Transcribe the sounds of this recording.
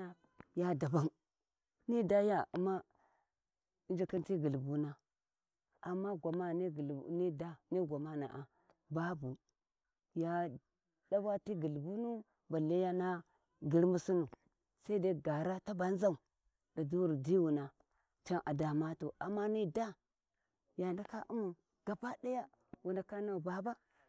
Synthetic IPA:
a˦ | ja˦da˨ba˦n | ni˦da˦ja˦a̰˨ma˦ | i˦nd͡ʒa˦ka˦nti˦ɡi˨lbu˦na˦ | a˨mːa˦ɡʷa˨ma˦ni˦ɡni˦da˦ni˦ɡʷa˨ma˦na̰˨ʔa˨ | ba˦bu˨ | ja˦ | da˦ba˦ti˦ɡi˨lbu˦nu˦ | ba˨la˦ja˦na˦ | ɡi˦ɾmu˦su˦nu˨ | sa˦i˦da˦ɡa˨ɾa˦ta˦ba˨n˦za˦u˨ | da˨du˦wu˨ɾdi˦wu˨na˨ | t͡ʃa˦nʔa˨da˨ma˦tu˨ʔa˨mːa˦ni˦da˦ | ja˨nda˦ka˦ʔu˦mu˨ | ɡ̥a˨pa˦da˦ja˦ | wu˨na˨ka˦na˦u˨ba˨ba˦

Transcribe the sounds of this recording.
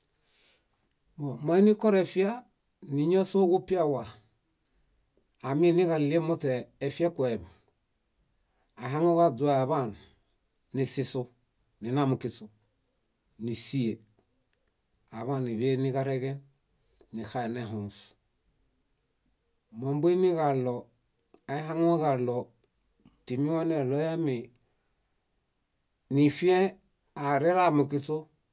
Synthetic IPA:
mɔ˨ma˨˦i˦ni˦kɔ˦ɾɛ˨fi˦a˦ | ni˨ɲo˦so˦ɡu˦pi˦a˦wa˨ | mi˦ni˦ka˨li˦e˦mo˦tɛː˨fi˦a˦kwe˨β | a˨ɦa˦ŋo˦wa˦d͡zu˨a˨a˨βa˦˨nː | i˨si˦su˦ | ni˨na˦mu˨ki˨su˨ | ni˨si˦e˨ | a˨βa˦˨ni˨βe˦ni˦ka˦ɾe˦ɡe˦nː | i˨xa˨˦e˨ne˦ɦũ˨s | mo˨mbu˦i˦ni˦ka˨lɔ˨ | a˨i˦ɦa˦ŋo˦ɣa˨lɔ˨ | ti˨mi˦wa˦ne˨lɔ˦ja˦mi˨ | ni˨fi˦e˦ | a˨ɾe˦ɾa˨mu˨ki˦t͡su˦

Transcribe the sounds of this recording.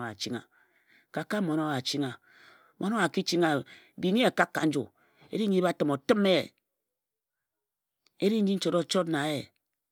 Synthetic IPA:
a̰˨t͡ʃi˦ŋa̰˨ | ka˨ka˦mo˨no˦a˨t͡ʃi˦ŋa˨˦ | mo˨˦no˦a˨ki˦t͡ʃi˦ŋa˨ | bi˨˦ɲi˦a˨ka˦kːa̰˨n̩˦d͡ʒṵ˨ | ḛ˦ɾi˦ɲi˦ba˦˨tɨ˨mo˨tɨ˦me˦˨ | e˦ɾi˦ɲi˦n̩˦t͡ʃo˨ɾo˨t͡ʃo˦tna˨˦e˨

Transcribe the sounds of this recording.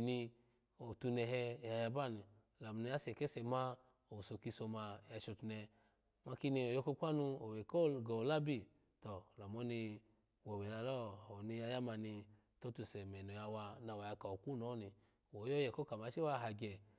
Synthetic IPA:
ni˧ | o˨tu˧nɛ˧ɦɛ˧˨ja˧ja˧ba˦˨ni˨ | la˨m˨ni˧˦a˦sɛ˨kɛ˦sɛ˧ma˦ | o˨so˧ki˧so˧ma˧˨ja˧ʃo˧tu˧nɛ˧ | ma˧ki˧˦ni˧o˨jo˧ko˧˦kʷa˦nu˧o˨we˨kɔ˦ɡɔ˨la˦bi˦˨ | tɔ˨la˨mɔ˦ni˧ | wɔ˨wɛ˨la˧lɔ˦˨o˨ni˧ja˧ja˦ma˧ni˧ | to˦tu˧˨sɛ˨mɛ˨nɔ˨ja˧wa˧na˨˧˨wa˨ja˧ka˨o˨ku˦nɔ˨˦ni˧ | wɔ˨˦jɔ˦jɛ˨kɔ˦ka˨ma˨˧˦t͡ʃi˦wa˦˧˨ɦa˧ɡɛ˨

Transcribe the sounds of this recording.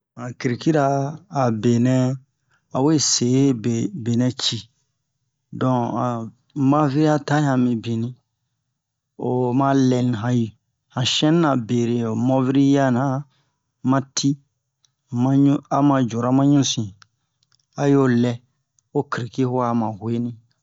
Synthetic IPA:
ã˨ki˨ɾi˨ki˦ɾaː˦˨be˨nɛ̃˦ | a˨we˦se˨˦be˨be˨nɛ̃˦t͡ʃi˨ | dɔ̃˨a˨ | mã˦vi˦ɾi˦a˦ta˦ã˨mĩ˨bĩ˨nĩ˦ | o˨mã˦lɛ˨ñ˨ɦã˨ji˨ | hã˨ʃɛ̃˦nː˦ã˨be˨ɾe˨o˨mɔ˦vi˦ɾi˦ja˦nã˨˦ | mã˦tʰi˦ | mã˦ũ˦a˨mã˧˨d͡ʒo˨ɾa˦mã˦ɲũ˦sĩ˨ | a˨jo˦lɛ˦ | o˦ki˨ɾi˨ki˦ho˦a˨mã˨hwe˦nĩ˦

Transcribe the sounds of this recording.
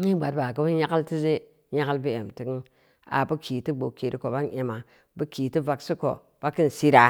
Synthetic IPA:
ɲi˦ɡ͡ba˨tba˨ɡə˦bɲa˦ka˦lti˦ze˦ | ɲa˦ka˦lbi˦e˨mti˦k | a̰˨bə˦kʰi˨ti˦ɡ͡bo˨ke˨ɾi˦ko˨ba˦ne˨ma˨ | bə˦ki˨ti˦va˨ksi˦ko̰˨ | b̥a˦ki˦n˨si˦ɾa˨

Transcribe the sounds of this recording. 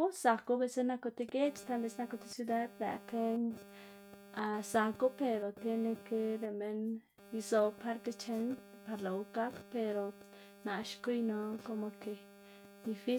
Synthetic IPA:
u˦a˨ku˧be˧se˦na˦˧ko˧t̪i˧ɡe˦t͡ʃt̪a˧be˧sna˧ko˧t̪e˧sju˦d̪a˦d̪la̰˨k̪e˦ɲ | a˧˨sa˨ku˦pe˧ɾo˨t̪e˧ne˧ke˧ɾe˨me˧n | i˧zo˧pa˧ɾk̪e˧t͡ʃe˧n | pa˧ɾla˨u˧ka˦kpe˧ɾo˨ | na˨ʃku˦jno˧ko˧mo˧ke˨ | d̪i˧fi˦

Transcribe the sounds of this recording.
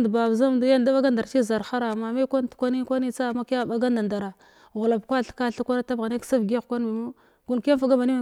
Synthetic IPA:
dba˨bza˦mdu˦ja˦n˨da˦ba˦ɡa˦nda˨ɾt͡ʃi˦za˨ɾxa˦ɾa˨ma˨ma˦kʷa˦n˨tkʷa˦ni˦kʷa˦ni˦t͡sa˦˨ma˦ka˦˨ba˦ɡa˦nda˨nda˨ɾa˨ | ɣu˨la˨pkʷa˦˨ɬka˦˨ɬa˦kʷa˦na˦ta˦bɣa˨ni˦ksa˦vɡkʷa˦n˦mi˨ma˦ | ɡu˦nka˦fa˦ɡa˦ma˨ni˦m˨

